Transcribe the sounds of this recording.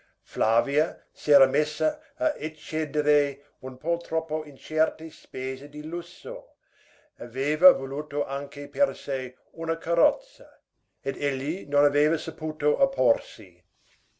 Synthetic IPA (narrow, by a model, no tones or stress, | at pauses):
flaːviɐ | seːɾɐmesːɐː | ʔet͡ʃːed̪eɾe | unpʰɔlt̪ɾɔpːoint͡ʃɛrt̪espeːzedilusːo̰ | aveːvɐvoluːt̪oʔaŋkepersej | unɐkʰaɾɔt̪sɐ | ed̪eʎːinonaveːvɐsapuːt̪oʔapʰorsḭ